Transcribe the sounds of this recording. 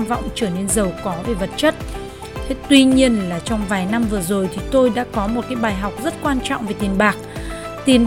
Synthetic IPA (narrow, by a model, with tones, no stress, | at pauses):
vɔ̰˧˨wŋ͡mt͡ɕəː˧˩ne˧nzə˨˩wkɔ˨˦ve˨˩və˨˩t̚t͡ɕə˦˥t̚ | t̪wi˧ɲi˧ənlaː˨˩t͡ɕɔ˧wŋ͡mvaː˨˩jna˧mvɨ˨˩əzo˨˩jt̪ʰi˨˩t̪o˧jɗa̰ː˧˥kɔ˨˦mo˨˩t̚kaː˨˦jɓaː˨˩jɦa˨˩wk͡p̚zə˦˥t̚kwaː˧nt͡ɕɔ̰˧˨wŋ͡mve˨˩t̪i˨˩ənɓaː˨˩k̚ | t̪i˨˩ən